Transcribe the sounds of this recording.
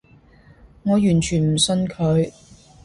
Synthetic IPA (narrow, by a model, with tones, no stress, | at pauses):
ŋɔː˨˧jyː˨˩nt͡ʃʰyː˨˩nm̩˨˩sɵ˧nkʰɵ˨˧ɥ